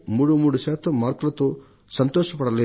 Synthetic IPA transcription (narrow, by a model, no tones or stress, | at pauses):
muːɽumuːɽuʃaːt̪ʰɐmːaːɾkɐlɐt̪oː | sɐnt̪ɔːʃɐpɐɽɐleː